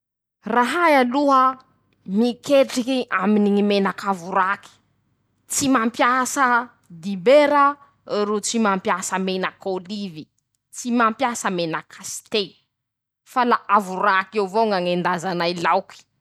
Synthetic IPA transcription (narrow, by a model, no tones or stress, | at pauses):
raɦajaluɦə | mikeʈ͡ʂikiʔaminiŋimenakavuɾaki̥ | t͡simampjasə | d̪ibeɾə | ɾut͡simampjasəmenəkolivi | t͡simampjasəmenəkʰast̪el | falaʔavuɾakewvoŋɡaŋend̪azanailawki̥